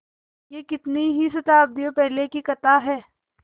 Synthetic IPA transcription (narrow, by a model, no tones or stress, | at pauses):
jekɪt̪niɦisɐt̪aːb̚d̪iõpɛɦlekikɐt̪aɦɛː